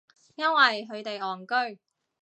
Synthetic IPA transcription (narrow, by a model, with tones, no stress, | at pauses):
jɐ˥nwɐ˨jɦɵ˨˧ɥt̪e˨jɔː˨˩ŋkɵ˥ɥ